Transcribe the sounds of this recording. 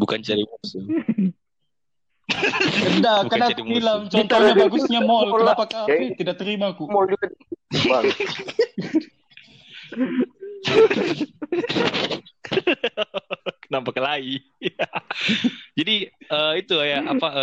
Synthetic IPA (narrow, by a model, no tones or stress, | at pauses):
bukant͡ʃaɾimɔsu | dakənakilamt͡ʃɔnt̪ɔɲabaɡusɲamɔlkənapakat̪idak̚t̪əɾimakumɔld͡ʒuɡaba | kənampakːalai | d͡ʒadiəit̪ujaappa